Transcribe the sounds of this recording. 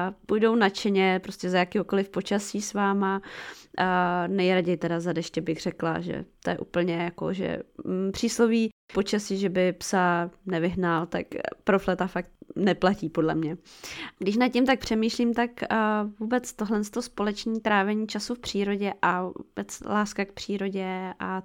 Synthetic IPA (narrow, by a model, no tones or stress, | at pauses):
pujdownat͡ʃɛɲɛpɾoscɛzajakiːɦoko̞lɪfpo̞t͡ʃasiːsvaːma | nɛjɾaɟɛjt̪ɛdazadɛʃcɛbɪɣr̥ɛkla̰ʒɛ̰t̪ojɛʔṵːpl̩ɲɛjako̰ʒɛ̰pr̝̥iːsloviːpo̞t͡ʃasiːʒɛbɪpsanɛvɪɦnalt̪akpɾoflɛt̪afak̚t̪̚nɛplaciːpo̞dlɛmɲɛɡdɪʃ̬nat̪̚cɪmt̪ak̚pr̝̥ɛmiːʃliːmt̪akvuːbɛt͡st̪oɦlɛnst̪o̞spo̞lɛt͡ʃɲiːt̪ɾaːvɛɲiːt͡ʃasufpr̝̥iːɾo̞ɟɛʔavuṵːbɛt͡slaːskak̚pr̝̥iːɾo̞ɟɛʔa